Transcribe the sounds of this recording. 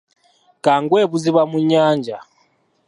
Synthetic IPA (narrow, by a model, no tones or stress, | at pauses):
kaŋɡwɛβuziβamuɲaːnd͡ʒa